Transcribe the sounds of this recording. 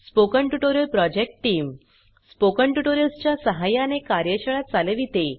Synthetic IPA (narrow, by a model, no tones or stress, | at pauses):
spokəɳʈuʈoɾjəlpɾɔd͡ʑek̚ʈʈːiːm | spokəɳʈuʈoɾjəlst͡ɕjasəɦajanekaɾjəɕəɭat̪̚t͡saləʋit̪e